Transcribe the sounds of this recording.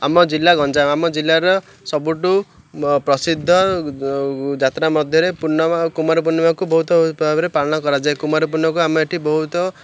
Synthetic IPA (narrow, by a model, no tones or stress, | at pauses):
amɔd͡zilːaɡʱʌnt͡ʃãamɔd͡zilːaɾɔ | sʌbuʈu | prʌsid̪ʱːɔ | d͡ʒat̪namʌd̪ʱjɔɾepuɾnɔmakumaɾp̬unːɔmakubɔɦut̪ɔpɔbʱabɾepalnʌkɔɾad͡ʒaekumaɾp̬unːɔkuamɔeʈʰibɔɦut̪ɔ